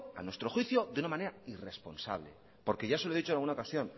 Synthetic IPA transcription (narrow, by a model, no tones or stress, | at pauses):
a̰nwe̞st̪ɾo̞xwiθjo̞ðeunamãne̞ɾaire̞spo̞̰nsa̰βle̞̰ | po̞ɾke̞ʝaseloeðit͡ʃonalɣunaokasjo̞n